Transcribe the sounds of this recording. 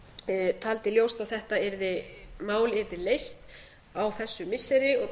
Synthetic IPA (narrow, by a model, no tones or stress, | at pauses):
t̪ʰaːlt̪ɪljowst̪awθɛht̪aɛɾðɪmaːwlɛɾðɪlejst̪ | awθɛsːʏmɪsːɛɾɪɔɣ